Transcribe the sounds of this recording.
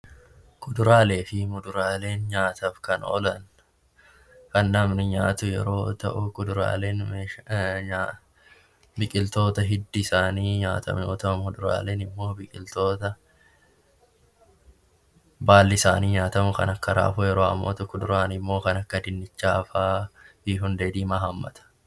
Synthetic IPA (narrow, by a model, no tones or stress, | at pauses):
kʼʊd̪ʊɾaːle̞ːfɪmʊd̪ʊɾaːle̞ːnɲaːt̪ɐfkɐnɔ̰lɐn | kɐnːɐmnɪɲaːt̪ʊjɛ̰ɾo̞̰ːt̪ɐ̰ʔʊkʊd̪ʊɾa̰ːle̞ːnmeː | bɪkʼɪlt̪o̞ːt̪ɐɦɪd̪ːɪːsaːniːɲa̰ːt̪ʰɐ̰mɲoːt̪ɐmʊd̪ʊɾa̰ːle̞ːnɪmːo̞ːbɪkʼɪlt̪o̞ːt̪ɐ | baːlːɪɪsaːniːɲaːt̪ɐmʊkɐ̰nɐkːɐɾa̰ːfʊjɛɾo̞ːɐ̰mːoːt̪ʊkːʊd̪ʊɾaːnɪmːo̞ːkɐnɐkːɐd̪ɪnːɪt͡ʃːaːɐfaː | iːɦʊnd̪eːd̪iːmaːɦɐmːɐ̰t̪ɐ̥